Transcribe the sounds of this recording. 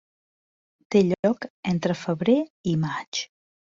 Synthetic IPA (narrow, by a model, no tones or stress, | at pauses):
t̪eʎɔkent̪ɾəfəβɾeimat͡ʃ